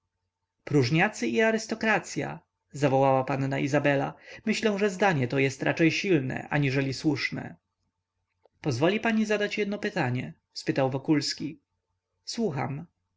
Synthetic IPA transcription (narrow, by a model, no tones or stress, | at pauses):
pɾuʐɲat̪sɘʔiaɾɘst̪ɔkɾat̪sʲja̰ | zavɔwawapanːaʔizabɛla̰mɘɕlɛw̃ʐɛzd̪aɲɛt̪ɔjɛst̪ɾʔat͡ʂɛjɕilnɛ̰ʔa̰ɲiʐɛlʲiswuʂnɛ̰ | pɔzvɔlʲipaɲizad̪at͡ɕjɛd̪nɔpɘt̪aɲɛ | spɘt̪awvɔkulskʲi | swuxa̰m